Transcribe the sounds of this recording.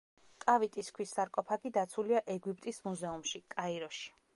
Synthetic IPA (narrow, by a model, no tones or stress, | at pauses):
kʼavit̪ʼiskʰwisːaɾkʼɔpʰaɡid̪at̪sʰuliaʔɛɡipʼt̪ʼismuzɛumʃikʼaiɾɔʃi̥